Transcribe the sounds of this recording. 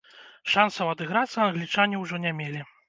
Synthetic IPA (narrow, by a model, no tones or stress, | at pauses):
ʂansɐwɐd̪ɨɣɾat̪sːɐːnɣlʲit͡ʂanʲiwʐɔnʲamʲelʲi